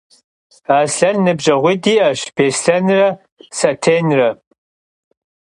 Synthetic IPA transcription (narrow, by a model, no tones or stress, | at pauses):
aːsɬɐnːɨbʑɐʁʷiːdiːʔɐɕb̥eːsɬɐnrɐ | sɐtʰeːnrɐ